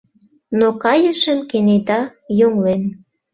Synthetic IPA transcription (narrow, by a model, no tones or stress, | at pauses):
nokɑjəʃəmkened̪ɑjoŋlen